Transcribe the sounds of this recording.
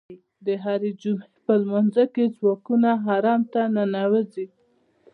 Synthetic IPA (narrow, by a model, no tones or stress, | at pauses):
d̪əɦaɾed͡ʒumepəlmanzəked͡zwɑkunaɦɑɾɑmt̪ananawəzi